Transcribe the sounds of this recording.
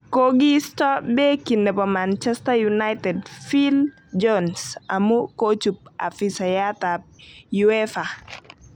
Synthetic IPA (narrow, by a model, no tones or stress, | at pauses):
koɡistɔbɛkinːɛpɔmant͡ʃɛstajunajtɛdfil | d͡ʒɔnsa̰mukot͡ʃup̚a̰fisajat̪ap̚juɛfa